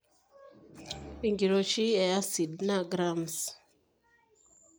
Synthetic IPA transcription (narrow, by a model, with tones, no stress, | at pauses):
i˨ŋɡi˨ɾo˨ʃi˦a˨ja˦si˨dna˦˨ɡɾa˦˨ms